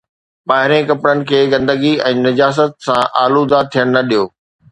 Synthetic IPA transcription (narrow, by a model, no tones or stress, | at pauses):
ɓaːɦɪɾẽkɐpɾənɪ̆kʰeːɡɐ̃nd̪əɡiɛ̃ːnɐd͡ʑaːs̬ət̪̚sãʔaːlud̪at̪ʰijəɽ̃nɐɗijoː